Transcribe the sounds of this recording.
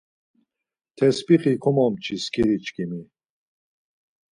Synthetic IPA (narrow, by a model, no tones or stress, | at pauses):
t̪ʰɛspʼiχikʰɔmɔmt͡ʃʰiskʰiɾit͡ʃkʰimi